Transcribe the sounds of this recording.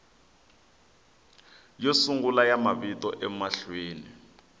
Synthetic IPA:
josuŋɡulajamaβitɔʔɛmaɬweːni

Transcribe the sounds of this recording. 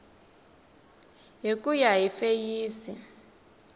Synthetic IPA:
ɦikujaɦifejiːsi

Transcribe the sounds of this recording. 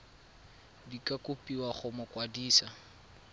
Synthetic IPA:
dikʼakʼʊpʼiwaχʊmʊkʼwadiːsa

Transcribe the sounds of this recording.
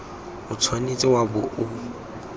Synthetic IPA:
ʊt͡sʰwanit͡sʼɪwabʊʔʊ

